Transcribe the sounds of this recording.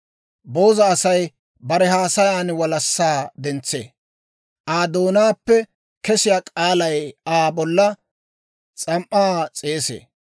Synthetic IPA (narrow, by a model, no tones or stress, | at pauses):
bo̞ːzɐːsɐj | bɐɾɛhaːsɐjaːnwɐlɐsːaːd̪ɛnt͡sːḛː | ʔaːd̪o̞ːnaːpːɛ | kɛsɪjaːkʼaːlɐjaːbɔlːɐ | t͡sʼɐmʔːaːt͡sʼeːsḛː